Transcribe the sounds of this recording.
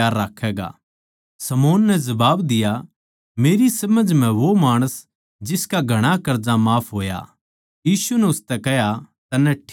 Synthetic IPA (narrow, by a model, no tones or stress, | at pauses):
aːɾːaːkʰɛːɡa̰ː | sɐmoːnːɛzɐbaːbd̪ɪja | meːɾisɐməd͡ʒʱmɛ̃ʋomaːɽ̃əs | d͡ʒɪskaɡʱɐɽ̃akɐɾd͡ʒamaːpʰɦoːja̰ | jiːsunɛʊst̪ɛkɛɦjat̪ɐnːɛʈʰː